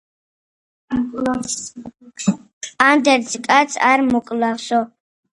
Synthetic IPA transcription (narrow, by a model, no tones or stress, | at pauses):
and̪ɛɾskʼat̪sʰa̰ɾmukʼlavsɔ